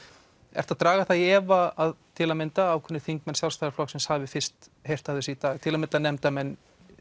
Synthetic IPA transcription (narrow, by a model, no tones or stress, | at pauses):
ɛ̰̥t̪aðt̪ɾaːɣaθaðɛːvaaðt̪ʰɪlamɪnt̪aaːwkʰʏnːɪθiŋkmɛnsjalst̪ajɾaflɔksɪnshavɪfɪr̥st̪hejr̥t̪aðʏsit̪aːɣt̪ʰɪlamɪnt̪anɛmt̪amɛnː